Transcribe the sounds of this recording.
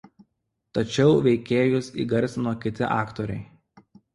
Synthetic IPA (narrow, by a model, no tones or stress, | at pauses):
t̪ɐt͡ʃʲɛʊʋʲɛɪkʲeːjʊsḭːɡɐɾʲsʲnoːkʲɪt̪ʲɪʔɑːkt̪oːɾʲɛɪ